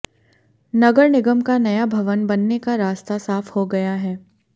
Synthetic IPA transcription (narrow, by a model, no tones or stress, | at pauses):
nɐɡəɾnɪɡəmkanɐjabʱɐʋənbɐnːekaɾaːst̪asaːfhoɡɐjaɦɛː